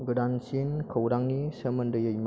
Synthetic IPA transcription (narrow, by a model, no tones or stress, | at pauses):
ɡɯdansinkʰəwɾaŋnisəmɐndɯjəjm